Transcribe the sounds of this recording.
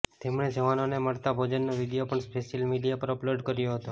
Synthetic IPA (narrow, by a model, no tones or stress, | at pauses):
t̪emɳed͡ʒəʋanoneməɭt̪abʱod͡ʒənːoʋid̪ijopəɳspeʃəlmiɖijapəɾəploɖkəɾjoɦət̪o